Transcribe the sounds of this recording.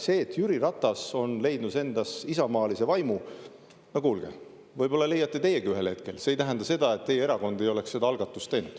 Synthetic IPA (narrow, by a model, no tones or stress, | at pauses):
se̞ːt̪ːˑjyɾiɾɑt̪ːˑɑso̞nle̞jd̪̥nuse̞nd̪̥ɑsisɑmɑːlise̞vɑjmu | jɑkuːlɡ̥ḛ | vɤjb̥o̞lːɑle̞jːɑt̪ːˑe̞t̪e̞jːekɡiyɦe̞lhe̞t̪̚ke̞̰lseːjt̪æɦend̪ɑse̞d̪ɑe̞t̪ːe̞jeeɾɑko̞nd̪̥e̞jo̞le̞ksse̞d̪ɑɑlɡ̥ɑt̪ːˑust̪ːe̞jnud̪̥